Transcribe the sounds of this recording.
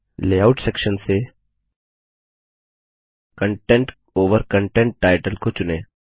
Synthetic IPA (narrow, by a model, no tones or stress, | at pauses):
leːaʊʈsɛkʃənse | kə̃ɳʈɛ̃ɳʈ | oːʋəɾkə̃ɳʈɛ̃ɳʈːaːɪʈəlkot͡ʃʊneː